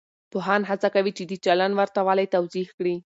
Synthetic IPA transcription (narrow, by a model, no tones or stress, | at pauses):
poɦɑnɦat͡sakawit͡ʃed̪it͡ʃalanwaɾt̪awɑlajt̪awzihkɽi